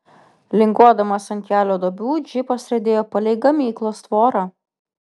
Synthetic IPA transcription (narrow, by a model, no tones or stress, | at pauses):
lʲɪŋɡuɔd̪ɐmɐsɐŋʲkʲæːlʲoːd̪oːbʲuːd͡ʒʲɪpɐsʲɾʲɐd̪ʲeːjoːpɐlʲɛɪɡɐmʲiːklˠoːst̪ʋoːɾɑː